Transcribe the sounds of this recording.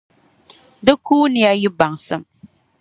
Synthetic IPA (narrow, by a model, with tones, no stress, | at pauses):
dɨ˦kuː˦nɪ˨ja˦jɪ˦ba˨ŋsɨ˦m